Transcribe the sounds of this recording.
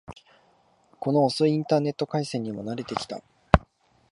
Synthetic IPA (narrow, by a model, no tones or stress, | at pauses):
ko̞noːsoiĩnt̪aːne̞t̪ːo̞kaisẽ̞ɲ̟ːimo̞naɾe̞t̪e̞kʲi̥t̪a̰